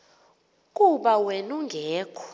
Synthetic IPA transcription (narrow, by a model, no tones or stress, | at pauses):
kʼuɓawenuŋɡʱeːkʰu̥